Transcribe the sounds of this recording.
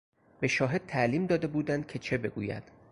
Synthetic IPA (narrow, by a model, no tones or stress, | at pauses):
be̞ʃɒːɦe̞d̪̚t̪ʰæʔliːmd̪ɒːd̪e̞buːd̪ænd̪̥̚cʰe̞t͡ʃʰe̞be̞ɡṵːjæ̰d̪̥